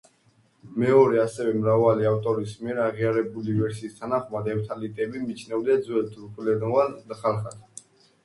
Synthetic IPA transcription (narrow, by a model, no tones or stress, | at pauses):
mɛɔɾɛasɛvɛmɾavaliaft̪ʼɔɾismiɛɾaʁiaɾɛbulivɛɾsiːst̪ʰanaχmad̪ɛft̪ʰalit̪ʼɛbimit͡ʃʰnɛvd̪ad̪zwɛlt̪ʰuɾkʼlɛd̪ɔvand̪aχalˠχat̪ʰ